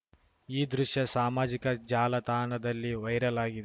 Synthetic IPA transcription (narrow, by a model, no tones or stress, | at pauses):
iːd̪ɾuʂjɐsaːmaːd͡ʒikɐd͡ʒaːlɐt̪aːnɐd̪ɐlːiʋɐjɾɐlaːɡid̪